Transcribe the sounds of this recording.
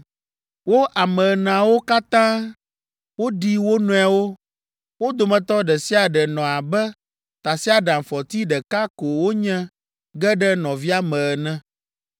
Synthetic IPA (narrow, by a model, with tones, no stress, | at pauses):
wo˦ʔa˨mɛ̃˨ə˨nã˨wo˦ka˦t̪ã˦ | wo˦ɖi˦wo˦nũ˦a˨wo˦ | wo˦d̪o˨mɛ̃˨t̪ɔ˦ɖɛ˨si˦a˨ɖɛ˨nɔ̃˨a˨bɛ˦ | t̪a˨si˦a˨ɖã˨m˨fɔ˨t̪i˦ɖɛ˨ka˦ko˨wo˦ɲɛ̃˦ | ɡɛ˦ɖɛ˦nɔ̃˨vi˦a˦mɛ̃˨ə˨nɛ̃˦